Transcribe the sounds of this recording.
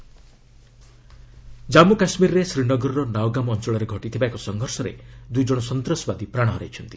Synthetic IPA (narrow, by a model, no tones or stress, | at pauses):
d͡ʒamukasmiɾɔɾesɾinɔɡɔɾɔɾɔnawɡamɔɔnt͡ʃɔɭɔɾeɡʱɔʈit̪ʰibaekɔsɔŋɡʱɔɾsɔɾḛd̪ujd͡ʒɔɽ̃ɔsɔnt̪ɾɔsɔbad̪ipɾaɽ̃ɦɔɾa̰jt͡ʃʰɔnt̪i